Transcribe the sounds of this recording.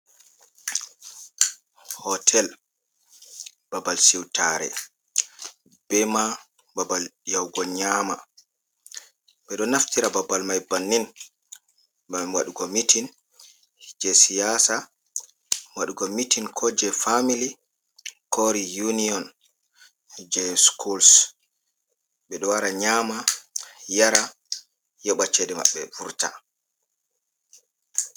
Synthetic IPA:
hɔtʰɛl | b̥abalsiwtaɾɛ̰ | b̥ɛma | babaljawɡɔɲama | bɛɗɔnaftiɾababalmajbanːin | bawaɗuɡɔmitʰin | d͡ʒɛsijasa | waɗuɡɔmitinkʰɔd͡ʒɛfamili | koɾijuniɔn | d͡ʒɛskʰuls | ɓɛɗɔwaɾaɲaːma | jaɾa | jɔɓat͡ʃɛdɛma̰ɓːɛ̰vuɾta̰

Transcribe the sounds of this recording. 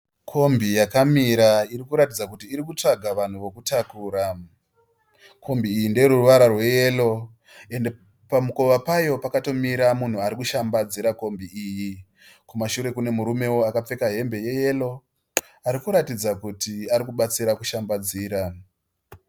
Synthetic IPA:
kʰo̞mbijakamiɾaiɾikuɾatid͡zakutiːɾikut͡ʂaɡʱaʋan̤uʋo̞kutakuːɾa | kʰo̞mbiːjindeɾuruʋaɾarwe̞je̞lo̞ | e̞nde | pamuko̞ʋapajo̞pakato̞miɾamun̤uaɾikuʃambad͡ziɾako̞mbiiːji | kumaʃuɾe̞kune̞muɾume̞wo̞akap͡fe̞kaɦe̞mbe̞je̞je̞lo̞ | aɾikuɾatid͡zakutiaɾikuɓat͡siɾakuʃambad͡ziːɾa

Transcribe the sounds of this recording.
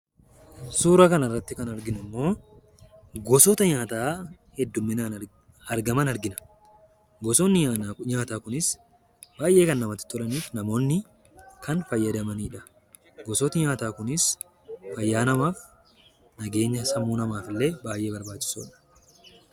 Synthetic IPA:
suːɾɐkɐnɐrːɐt̪ːɪkɐnɐɾɡɪnʊmːo̞ː | ɡɔsɔt̪ɐɲaːt̪aː | hɛd̪ːʊmːɪnaːn | ɐɾɡɐmɐnɐɾɡɪnɐ̥ | ɡɔsɔnːɪɲaːt̪aːkʊnɪs | baːjʔe̞ːkɐnːɐmɐt̪ːɪ̥t̪ːɔlɐniːfnɐmo̞ːnːɪ | kʰɐnfɐjːɐd̪ɐmɐniːᶑɐ̥ | ɡɔsɔt̪ɐɲaːt̪aːkʊnɪs | fɐjːaːnɐmaːf | nɐɡe̞ːɲːɐsɐmːuːnɐmaːfɪlːe̞ːbaːjʔe̞ːbɐɾbaːt͡ʃːɪ̥sṵːᶑɐ̥

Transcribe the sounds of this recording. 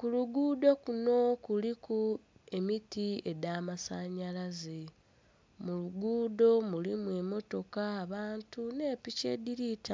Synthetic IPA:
kuluɡuːdo̞kuno̞kuliku | e̞mitie̞damasaɲalaze | muluɡuːdo̞mulimweːmo̞to̞kaːβaːntune̞ːpice̞̰ːdiɾitʰa

